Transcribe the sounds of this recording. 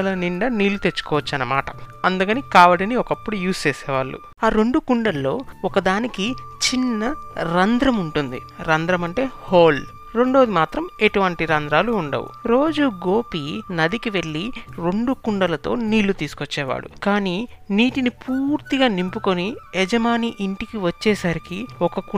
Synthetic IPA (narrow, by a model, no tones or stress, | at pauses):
lɐniɳɖɐniːlːut̪e̞t͡ʃːu̥kɔːʋɐt͡ʃːɐnːɐma̰ːʈɐɐnd̪ukɐnikaːʋɐɽɐniɔkɐpːuɽujuːst͡ʃeːsɛːʋaːɭːṵ | aːɾe̞ɳɖukuɳɖɐlːo̞ːɔkɐd̪aːnikit͡ʃinːɐɾɐnd̪ɾɐmuɳʈund̪ḭ | ɾɐnd̪ɾɐmɐɳʈe̞ːhoːl | ɾe̞ɳɖoːd̪imaːt̪ɾɐme̞ʈuʋɐɳʈiɾɐnd̪ɾaːluːɳɖɐ̰ʋṵɾo̞ːd͡ʒuɡo̞ːpinɐd̪ikiʋe̞ɭːiɾe̞ɳɖukuɳɖɐlɐt̪o̞̰ːniːlːut̪iːsu̥kot͡ʃːɛːʋa̰ːɽṵkaːniːniːʈinipuːɾt̪iɡaːnimpukoniɛd͡ʒɐmaːniʔiɳʈikiʋɐt͡ʃːɛːsaːɾikiɔkɐku